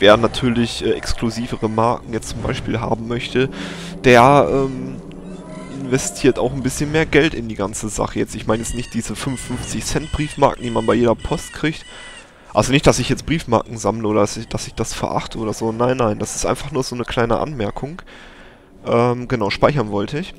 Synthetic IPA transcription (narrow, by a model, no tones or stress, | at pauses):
veːɐnatʰyːɐlɪçʔɛːʔɛkskluziːvəʁəmaɐkŋ̩jɛt͡stt͡sʊmba̰ɪʃpiːlɦa̰ːbm̩mœçtʰə | d̥eːɐʔɛːm | ʔɪnvɛstʰiːɐtaʊxn̩bɪsçənmeːɐɡɛltɪndiːɡant͡səza̰χəjɛt͡stɪçmaɪnjɛt͡stnɪçt̚d̥iːzəfʏnfːʏnft͡sɪçsɛnt̚b̥ʁiːfma̰ɐkŋ̩d̥iːmanbaɪjeːdɐpʰɔstkʁ̥iːkt | ʔalzonɪçtd̥asɪçjɛt͡sb̥ʁiːfma̰ːɐkŋ̩zamləʔoːɾɐdasɪçd̥asɪçd̥asfɛɐʔa̰χtʰəʔoːɾɐzoːnaɪnːaɪnd̥asɪ̥stʔa̰ɪnfaχnuːɐzoːnəkl̥aɪnə̰ʔa̰nmɛɐkʰʊŋ | ʔɛːmɡ̥ənaʊʃpaɪçɐnvɔltʰəɪç